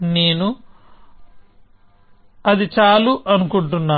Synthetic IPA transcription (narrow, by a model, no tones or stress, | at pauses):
neːnu | ɐd̪it͡ʃaːluʔɐnukuɳʈunːaː